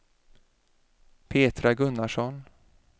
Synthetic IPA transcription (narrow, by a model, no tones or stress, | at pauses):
pʰeːt̪ɾaɡɵnːaʂɔn